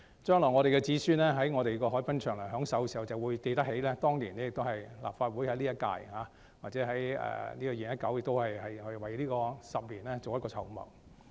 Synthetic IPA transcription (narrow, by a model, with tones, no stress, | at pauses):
t͡ʃœː˥ŋlɔː˨˩ŋɔː˨˧ɾe˨jkɛ˧t͡siː˨˥syː˥nlɛː˥ɦɐ˨˥jŋɔː˨˧ɾe˨jkɔː˧ɦɔː˨˥jpɐ˥nt͡ʃʰœː˨˩ŋlɐ˨˩ɦœː˨˥ŋsɐ˨˥wɛsiː˨˩hwt͡sɐ˨˩wuː˨˧jt̪e˨˧jt̪ɐ˥k̚he˨˥jlɛː˥t̪ɔː˥ŋliː˨˩nɛː˥jɪ˨k̚t̪o˥whɐ˨jla̰ː˨pfaː˧t̚wu˨˥jhɐ˨˥jliː˥jɐ˥t̚ka̰ː˧jhaː˨˧˥ | waː˨˩t͡sɛː˨˥ɦɐ˨˥jɛ̰ː˨liː˥kɔː˧jiː˨˩njɐ˥t̚kɐ˨˥wjɪ˨k̚t̪o˥whɐ˨jhɐ˨jhɵ˧ɥwɐ˨jliː˥kɔː˧sɐ˨p̚liː˨˩nlɛː˥t͡so˨wjɐ˥kɔː˧t͡sʰɐ˨˩wmɐ̰˨˩w